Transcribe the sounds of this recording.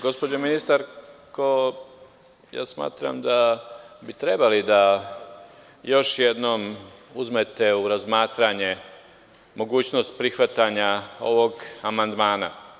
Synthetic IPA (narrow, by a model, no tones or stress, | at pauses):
ɡo̞spod͡ʑominist̪aɾko | ja̰ːsma̰ːt̪ɾa̰md̪abit̪ɾe̞balid̪a | jo̞ʃje̞d̪no̞muzme̞t̪e̞uɾazmaːt̪ɾaɲe̞ | mo̞ɡuːt͡ɕno̞st̪̚pɾixʋat̪aɲao̞̰ʋo̞ɡamand̪maːna̰